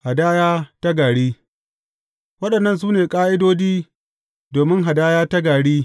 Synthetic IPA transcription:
ha˨daː˦jaː˦ta˦ɡaː˨ɽiː˦ | wɐ˦ɗɐ˨nːɐ˦˨ns̬uː˦neː˨kʼaː˦ʔɪ˦doː˦d͡ʒiː˦ | doː˨mɪ˦ŋɦa˨daː˦jaː˦ta˦ɡaː˨ɽiː˦

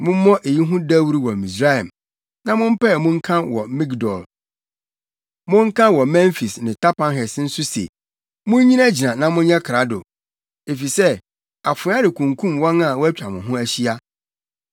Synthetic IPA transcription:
mʊ̃˦m˦mɔ̃˦ʔe˨ji˦ɦʊ̃˦dæ˦wu˦ɾi˦wɔ˨mĩ˨s̬ɾa˦jɛ̰˨m | nã˦mʊ̃˦m̩˦pɛ˦˨mʊ̃˦ŋ̩˦kʰã˦wɔ˨mĩ˦ɡdɔ˨l | mʊ̃˦ŋ̩˦kʰã˦wɔ˨mɛ̃˦nfi˨snɪ̃˨tʰa˦pʰã˦nɦɛ˨sn̩˦sʊ˦sḛ˨ | mʊ̃˦ɲ˦ɲĩ˦na˦d͡ʑi˨nã˨nã˨mʊ̃˦n˦ɲɛ̃˦kʰɾa˦dʊ̰˨ | e˨fi˨sɛ˦ | a˨fʊ˨˦a˦dɪ˨kʰũ˨ŋkʰũ˦˨mwɔ̃˦nã˨wɔ˦æ˦t͡ɕᶣa˨mʊ̃˨ɦʊ̃˦æ˦ɕi˦a˦

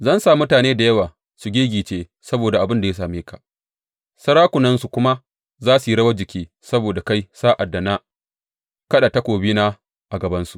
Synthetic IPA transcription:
zɐ˦nsaː˨mʊ˦taː˨neː˦da˨jɐ˦waː˨ | su˨ɡʲeː˦ɡʲiː˨t͡ʃeː˦ | sɐ˦boː˨da˨ʔa˨bɪ˦nda˨ja˦s̬aː˨meː˦ka˨ʔ | sɐ˦ɽaː˦kʷʊ˨nɐ˦nsu˨kʷʊ˦ma˦ | zaː˦su˨ji˦ɽɐ˦wɐ˦d͡ʒɪ˨kʲiː˦ | sɐ˦boː˨da˨ka˦jsaː˦ʔa˨dːa˨na˦ | kɐ˦ɗa˨tɐ˦kʷoː˨biː˦na˦ | ʔa˨ɡɐ˨bɐ˦nsu˨ʔ

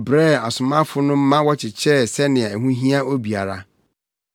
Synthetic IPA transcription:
bɾɛ˦˨a˨sʊ˨mã˦fʊ˦nʊ̃˦m̩˦mã˦wɔ˦t͡ɕʰɪ˨t͡ɕʰɛ˦˨sɛ˦nɪ̃˨ɛ˨æ˨ɦũ˦ɦĩ˦a˦o˦bi˨a˨ɾa˨

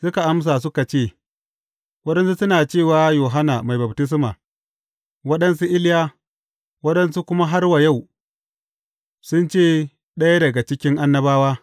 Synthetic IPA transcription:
sʊ˦ka˨ʔa˦ms̬aː˨s̬ʊ˦ka˨t͡ʃeː˦˨ | wɐ˦ɗɐ˦nsu˦sʊ˦naː˨t͡ʃeː˦˨waː˨joː˨ɦa˦naː˨ma˨jbɐ˨btɪ˦s̬maː˨ | wɐ˦ɗɐ˦nsu˦ʔɪ˦ljaː˦ | wɐ˦ɗɐ˦nsu˦kʷʊ˦ma˦ɦa˦rwa˨ja˦˨w | sʊ˦nt͡ʃeː˦˨ | ɗɐ˦ja˦dɐ˨ɡa˨t͡ʃɪ˦kʲɪ˦ŋʔa˦nːɐ˦baː˦waː˦

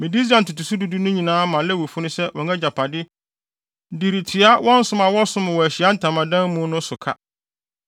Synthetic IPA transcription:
mɪ̃˨di˦sã˨n̩˨tʊ˨tu˨su˦du˦du˦nʊ̃˦ɲĩ˨nãː˨˦mã˨lɛ˦wo˨fu˦nʊ̃˦sɛ˦wɔ̃˨ŋɛ̃˦d͡ʑa˨pʰa˨dɪ˦ | di˨ɾi˨tʰi˨a˦wɔ̃˦n̩˦sʊ̃˦ma˨wɔ˦sʊ̃˦mʊ̃˨wɔ˨æ˨ɕɪ˨a˦n̩˦tʰã˨mã˨dã˦m˦mũ˦nʊ̃˦sʊ˨kʰa̰˦

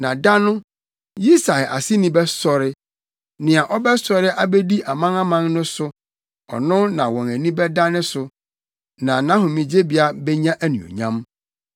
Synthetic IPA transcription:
nã˨da˦nʊ̃˦ | ji˦sa˨ʔa˨sɪ˦nĩ˦bɛ˦sɔ˨ɾɪ˦ | nɪ̃˨a˨ʔɔ˦bɛ˦sɔ˨ɾɪ˦ʔa˦bɛ˦di˦ʔa˨mã˦na˦mã˦ŋnʊ̃˦sʊ˦ | ɔ̰˨nʊ̃˦nã˨wɔ̃˨næ˨nĩ˦bɛ˦da˦nʊ̃˦sʊ˨ | nã˨nã˦ɦʊ̃˨mĩ˨d͡ʑe˦bi˨a˦bɛ˦ɲã˦ʔæ˦nṵ̃˨ɔ̰˨ɲã̰˦m

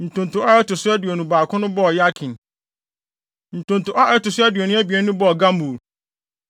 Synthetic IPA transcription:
n̩˨tʰʊ̃˨n˨tʰʊ̃˨ʔa˦ɛ˦tʊ˨sʊ˦æ˦dɥɛ˨nũ˨baː˨kʰʊ̃˦nʊ̃˦bɔ˦˨ja˦kʰĩ˨n | n̩˨tʰʊ̃˨ntʊ˨ʔa˦ʔɛ˦tʊ˨sʊ˦æ˦dɥɛ˨nʊ̃˦æ˦bi˨ɛ˨˦nʊ̃˦bɔ˦˨ɡã˦mbu˨l

